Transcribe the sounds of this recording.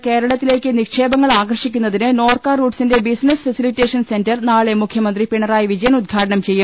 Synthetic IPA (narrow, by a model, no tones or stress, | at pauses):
ke̞ːɾɐɭɐt̪ːile̞ːkʲːɨnikʂe̞ːbɐŋːɐɭaːɡɐrʂikʲːunːɐðinɨno̞ːrkaːruːɖsinde̞bisnɐsfɐsilitːeːʂɐnse̞ndɐrnaːɭemukʰjɐmɐnd̪ripiɳɐraːjiʋid͡ʑɐjɐnud̪̚ɡʰʱaːʈɐɳɐmt͡ɕe̞jːum